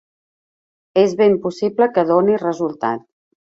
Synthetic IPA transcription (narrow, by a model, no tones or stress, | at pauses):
ezβempusibləkəðonirəzulˠt̪a̰t̪̚